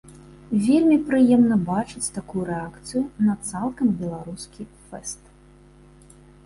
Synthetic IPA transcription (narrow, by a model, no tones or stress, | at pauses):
vʲelʲmʲipɾɨjɛmnɐbat͡ʂɨt͡sʲt̪akujuɾɛakt̪sɨjunɐt̪salˠkɐmbʲɛlˠaɾuskʲi | fɛst̪